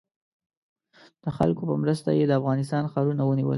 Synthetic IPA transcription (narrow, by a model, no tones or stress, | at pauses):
d̪̥əxa̰lkopəmɾəst̪a̰jed̪əafɣɑnɪs̬t̪ɑnxɑɾunawəniwə̰l